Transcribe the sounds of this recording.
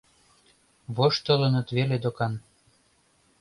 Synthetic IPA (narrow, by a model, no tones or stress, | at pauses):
βoʃt̪ɤ̆lə̆nə̆t̪βeled̪okɑn